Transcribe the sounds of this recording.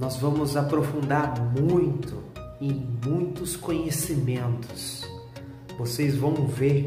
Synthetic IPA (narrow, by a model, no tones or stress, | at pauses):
nɔzvɐ̃mʊzapɾofũnd̪aɾmũj̃t̪ʊ | ẽj̃mũj̃t̪ʊskõɲesimẽnt̪ʊs | vosezvɐ̃w̃veɾ